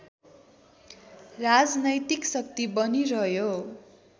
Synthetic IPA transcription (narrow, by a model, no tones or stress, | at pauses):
rad͡znʌjt̪iksʌkt̪ibʌniɾʌjo